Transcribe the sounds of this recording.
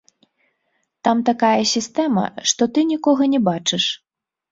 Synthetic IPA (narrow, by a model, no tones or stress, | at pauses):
t̪amt̪akajɐsʲist̪ɛmɐ̰ʂt̪ɔt̪ɨnʲikɔɣɐnʲɛbat͡ʂɨʂ